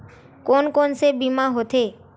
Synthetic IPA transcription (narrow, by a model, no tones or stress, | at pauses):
konkonsebimãɦot̪ʰe